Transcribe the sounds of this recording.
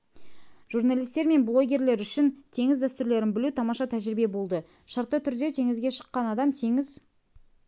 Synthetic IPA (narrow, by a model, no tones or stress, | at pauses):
ʒ̥urnalʲijst̪e̞ɾme̞nblˠo̞ɡʲe̞ɾle̞ɾʏʃɪnt̪ʰe̞ŋɪzd̪æst̪ʏɾle̞ɾɪnbɪlut̪ʰɑmɑʃɑt̪ʰæʒɪɾɪbe̞bo̞lˠd̪ə | ʃɑɾt̪ːət̪ʰʏɾd̪e̞t̪ʰe̞ŋɪzɡʲe̞ʃə̥qːɑnɑd̪ɑmt̪ʰe̞ŋɪz